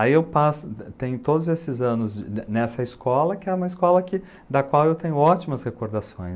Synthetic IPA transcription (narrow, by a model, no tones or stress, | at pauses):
aiewpasʊt̪ẽɲʊt̪od̪ʊzesɪzɐ̃nʊznɛsɐɪskɔlɐkɪɛũmɐɪskɔlɐkɪ | d̪ɐkwawewt̪ẽɲʊɔt͡ʃimɐshekoɾd̪asõ̰j̃